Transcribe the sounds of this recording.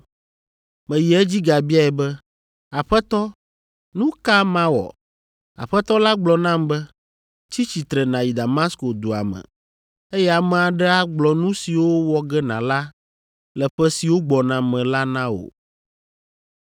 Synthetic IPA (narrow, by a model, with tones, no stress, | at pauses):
mɛ̃˨ji˨ɛ˦d͡ʑi˦ɡa˨bi˦a˦ɛ˨bɛ˦ | a˨ɸɛ˦t̪ɔ˦ | nũ˦ka˦mã˦wɔ̰˨ | a̰˨ɸɛ˦t̪ɔ˦la˦ɡ͡blɔ˨nã˦mbɛ˦ | t͡ɕi˦t͡ɕi˨t̪ɾɛ˨nã˨ji˨d̪a˨ma˦sko˨d̪o˨a̰˨mɛ̰̃˨ | e˦jɛ˦a˨mɛ̃˨a˨ɖɛ˦a˦ɡ͡blɔ˨nũ˦si˨wo˦wɔ˦ɡɛ˦nã̰˨la˦ | lɛ˨ɸɛ˦si˨wo˦ɡ͡bɔ˨nã˨mɛ̃˨la˦nã˦o̰˨